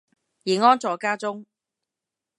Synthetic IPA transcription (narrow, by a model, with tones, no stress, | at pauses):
jiː˨˩ŋɔː˥nt͡sɔː˨˧kaː˥t͡sʊ˥ŋ